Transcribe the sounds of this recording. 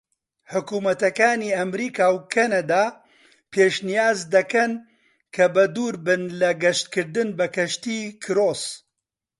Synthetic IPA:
ħʊkuːmɐt̪ɐkaːniːɐmɾiːkaːwkʰɐnɐd̪aː | pʰeːʃnijaːzd̪ɐkɐn | kʰɐbɐd̪uːɾbɨnlɐɡɐʃt̪kɨɾd̪ɨnbɐkɐʃt̪iːkʰɨɾoːs

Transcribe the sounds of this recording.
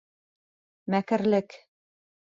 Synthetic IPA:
mækɘ̆ɾlɘk

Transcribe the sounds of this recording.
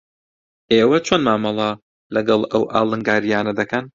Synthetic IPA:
ʔeːwɐt͡ʃʰoːnmaːmɑlˠɐ | lɐɡɐlˠɐwʔa̰ːlˠɨŋɡaːɾijaːnɐd̪ɐkʰɐn

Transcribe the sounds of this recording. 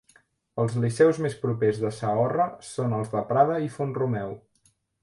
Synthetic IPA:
əlˠzlisɛwzmespɾupezðəsəɔrəsonəlˠzðəpɾaðəifunrumɛw

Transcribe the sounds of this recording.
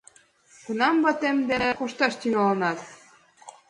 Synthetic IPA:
kunɑmbɑt̪emd̪enekoʃt̪ɑʃt̪iŋɑlɤ̆nɑt̪

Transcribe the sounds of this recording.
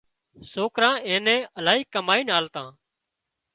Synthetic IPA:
soːkɾãːẽːnɛ̃ːəlaːɦiːkəmaːiːnaːlt̪ãː

